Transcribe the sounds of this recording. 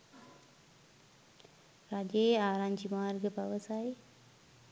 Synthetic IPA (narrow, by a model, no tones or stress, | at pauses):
ɾad͡ʑeaɾãnd͡ʑimaɾɡəbaʋəsae